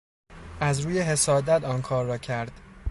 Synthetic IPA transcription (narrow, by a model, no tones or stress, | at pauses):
æzɾuːje̞ɦe̞sɒːd̪æt̪ʰɒːnkʰɒːɾːɒːcʰæɾd̪̥